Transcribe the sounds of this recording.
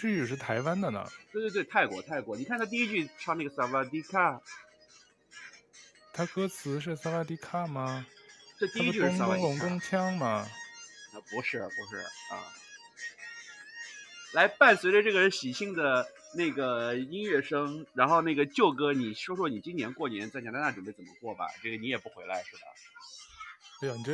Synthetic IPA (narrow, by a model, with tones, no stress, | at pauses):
t͡ɕy˥˧y˥˩ʂɻ̩˥˩t̪ʰa˧˥ɪwa˥nd̪ə˨nə̰˩t̪we˥˧t̪wtwɪt̪ʰa˥˩ɪkwɔ̰˧˥t̪ʰa˥˩ɪkwɔ̰˧˥ni˨˩kʰa˥˩nʰa˥t̪i˥˧i˥t͡ɕy˥˩ʈ͡ʂʰɑ˥˧ŋna˥˩ɡə˩sa˥˩wa˥t̪i˧˥kʰa˥˩ | t̪ʰa˥kɤ˥t͡sʰɹ̩˧˥ʂ̬ɻ̩˥˩sa˥wa˥t̪i˥kʰa˥˩mɐ˩t̪t̪i˧˥˧i˥t͡ɕʂ̩˥ŋa˥ʊ˥ŋlʊ˧˥ŋkʊ˥ŋt͡ɕʰjɑ˥ŋmɐ˨˩ | ə˧˩pu˧˥ʂɻ̩˥˩pu˧˥ʂɻ̩˥˩ə̰˥˩ | la˧˥ɪpa˥˩nswe˧˥ɪʈ͡ʂə˧ʈ͡ʂɤ˥˩ɡə˩˥˩ɕi˨˩ɕi˥˩ŋd̪ə˩ | ne˥˩ɪɡə˩i˥nɥɛ˥˩ʂɤ˥ŋɻa˧˥nxo˥˧ʊna˥˩ɡə˩t͡ɕjo˥˩ʊkɤ˥ni˨˩ɕo˥ʂwɔ˥˩ni˨˩t͡ɕi˥njɛ˧˥nkwɔ˥˩njɛ˧˥nt͡sa˥˩ɪnʰjt̪a˥na˥˩ʈ͡ʂə˨˩pe˥˩ɪt͡sə˨˩mə̰˦kwɔ˥˩bɐ̰˩ʈ͡ʂɤ˥˩ɡə˩ni˧˥jɛ˨˩pu˥˩xwe˧˥ɪla˧˥ɪʂɻ̩˥˩bə̰˩˧˥ | jni˩˥